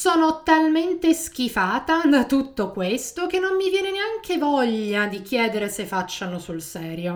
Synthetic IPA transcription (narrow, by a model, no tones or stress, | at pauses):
sɔːnot̪alment̪esk̟ifaːt̪ad̪at̪ut̪ːokwest̪ok̟enːomːivjɛːneneaŋkʰevɔʎːad̪ik̟jɛːd̪eɾesefat͡ʃːanosulsɛːɾjo